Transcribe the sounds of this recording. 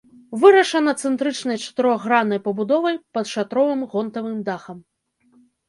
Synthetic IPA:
vɨɾɐʂɐnɐt̪sɛnt̪ɾɨt͡ʂnɐjt͡ʂɐ̥t̪ɨɾɔɣːɾanːɐjpɐbud̪ɔvɐjpɐt̪ʂat̪ɾɔvɨmɣɔnt̪ɐvɨmd̪axɐm

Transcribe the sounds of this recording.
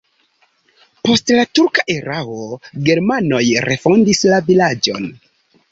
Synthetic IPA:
po̞stlatuɾkaʔeɾaoɡe̞ɾmano̞jɾʔe̞fo̞ndislavilad͡ʒo̞̰n

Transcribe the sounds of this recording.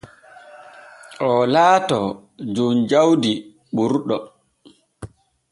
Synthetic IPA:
ʔɔlaːtɔ | d͡ʒund͡ʒawdi | ɓuɾɗɔ

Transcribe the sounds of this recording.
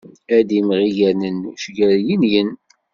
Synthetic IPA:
æd̪imʁijænənʃɡæɾjinjən

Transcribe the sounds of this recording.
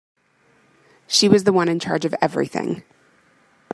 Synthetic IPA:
ʃiwʌzðəwʌ̃ñɨ̃nt͡ʃʰɑ̰ɹd͡ʒʌvɛvɹḭθɪ̰̃ŋ

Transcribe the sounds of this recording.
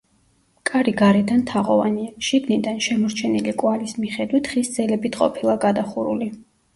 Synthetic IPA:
kʼaɾiɡaɾɛd̪ant̪ʰaʁɔva̰niaʃiɡnid̪anʃɛmɔɾt͡ʃʰɛnilikʼwalismiχɛd̪wit̪ʰχisd̪zɛlɛbit̪ʰqʼɔ̰pʰilˠaɡad̪aχuɾṵli

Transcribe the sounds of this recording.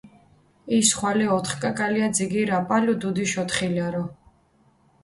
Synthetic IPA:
isχwalɛɔt̪ʰχkʼakʼaliad̪ziɡiɾapʼalud̪ud̪iʃɔt̪χilaɾɔ

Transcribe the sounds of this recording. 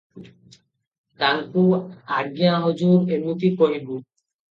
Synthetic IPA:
t̪aŋkuaɡijãɦod͡ʑuɾemut̪ikoɦibu

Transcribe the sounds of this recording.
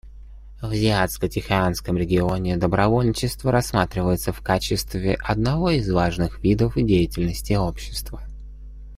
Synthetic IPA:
vzʲɪat̪skətʲɪxaanskəmɾʲɪɡʲɪo̞nʲɪd̪əbɾɐvo̞lʲnʲɪt͡ɕɪst̪vəɾɐsːmat̪ɾʲɪvəjɪt̪səfkat͡ɕɪst̪vʲɪʔɐd̪nɐvo̞izvaʐnɨxvʲid̪əfɨdʲejɪtʲɪlʲnəsʲtʲɪo̞pɕːɪ̥st̪və

